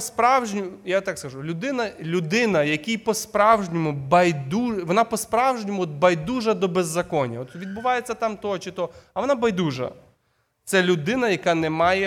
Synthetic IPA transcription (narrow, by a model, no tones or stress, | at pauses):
spɾɑwʒnʲʊjat̪ɑkskɐʒulʲʊd̪ɪnɐlʲʊd̪ɪnɐjɐkʲijpɔspɾɑwʒnʲɔmʊbɐjd̪uʋɔnɑpɔspɾɑwʒnʲɔmʊɔt̪̚bɐjd̪uʒɐd̪ɔbezːɐkɔnʲɐɔt̪ʋʲid̪bʊʋɑjet͡sʲːɐt̪ɑmt̪ɔt͡ʃɪt̪ɔɐʋɔnabɐjd̪uʒɐ̰ | t̪sɛlʲʊd̪ɪnɐjɐkɑnɛmɑjɛ